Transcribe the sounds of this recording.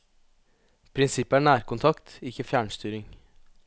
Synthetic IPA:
pʰɾɪnsɪpːəæːɳæːɾkʊnt̪ʰɑkt̪ɪkːəfjæːɳst̪yːɾɪŋ

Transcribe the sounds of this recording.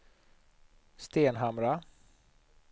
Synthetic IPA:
st̪eːnɦamɾa

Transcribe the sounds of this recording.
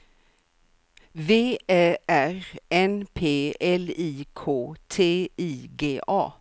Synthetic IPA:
veːeːʔæɾɛnpʰeːɛliːkʰoːt̪ʰeːiːɡeːʔɑː

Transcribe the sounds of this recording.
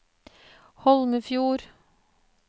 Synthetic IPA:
hɔlməfjuːɾ

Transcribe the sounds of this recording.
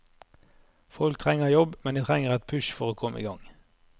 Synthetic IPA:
fɔlkt̪ʰʁɛŋəjɔbmɛnd̪iːt̪ʰʁɛŋəʁɛt̪̚pʰʉʃfɔʁoːkʰɔməḭːɡɑŋ

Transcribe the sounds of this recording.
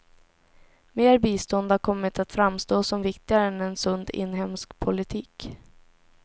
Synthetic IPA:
meːɾbiːst̪ɔnd̪aɾkʰɔmːɪt̪ʰat̪fɾamst̪oːsɔmvɪkt̪ɪɡaɾəɛnɛnsɵnd̪ɪ̰nːɦɛmskpʰʊlɪt̪ʰiːk

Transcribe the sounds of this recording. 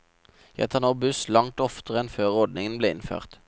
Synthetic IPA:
jɛ̰t̪ʰɑnoːbʉslɑŋt̪ɔft̪əʁɛnføːʁɔd̪nɪŋənbleːɪ̰nfø̰ːʁt̪

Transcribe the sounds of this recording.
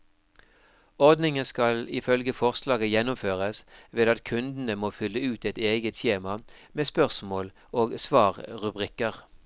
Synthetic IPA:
ɔʁd̪nɪŋənskɑlɪfœlɡəfɔʁslɑːɡəjɛnːʊmføːʁəsʋeːd̪ɑt̪kʰʉnd̪n̩əmoːfʏlːəʉːt̪ɛt̪eːɡət̪çeːmɑmeːspœʁsmoːl | oːɡsʋɑːʁʁʉbʁɪkəʁ

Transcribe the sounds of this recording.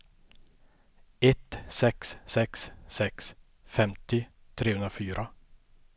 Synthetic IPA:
ɛt̪sɛkssɛkssɛks | fɛmt̪ɪt̪ʰɾeːhɵnɾafyːɾʔa

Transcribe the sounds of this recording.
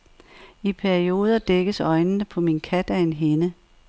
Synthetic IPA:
ipʰæɐio̝ːð̞ˠɐd̥eɡ̥əsɒ̽ɪnnəpʰɒ̽minkʰæd̥æe̝nɦenə

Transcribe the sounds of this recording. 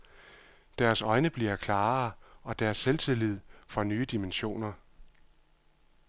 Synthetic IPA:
d̥æɐsɒ̽ɪnəb̥liɐkʰlɑ̈ːɒ̽d̥æɐsːelt͡sʰelið̰ˠfɒnyːəd̥imenɕo̝̰ːnɐ

